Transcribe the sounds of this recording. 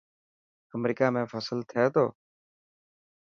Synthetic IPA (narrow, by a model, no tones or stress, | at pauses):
əmɾiːkaːmẽːfəslt̪ʰɪeːt̪oː